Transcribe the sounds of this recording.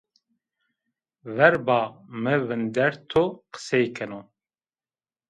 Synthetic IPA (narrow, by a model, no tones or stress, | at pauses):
vɛɾbaːmɨvɨnd̪ɛɾt̪ʰoqə̥sɛjkʰɛno